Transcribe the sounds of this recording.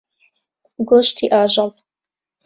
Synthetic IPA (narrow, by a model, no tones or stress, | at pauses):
ɡoːʃt̪ʰiːʔaːʒɑv